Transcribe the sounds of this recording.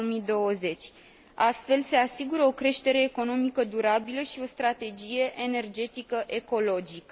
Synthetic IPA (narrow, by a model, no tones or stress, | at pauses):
omid̪o̞wəze̞t͡ʃʲ | ast̪fe̞lse̞asiɡuɾəo̞kɾe̞ʃt̪e̞ɾe̞ːko̞no̞mikəd̪uɾabiləʃio̞st̪ɾat̪e̞d͡ʒije̞ʔene̞rd͡ʒe̞t̪ikəʔe̞ko̞lo̞d͡ʒikə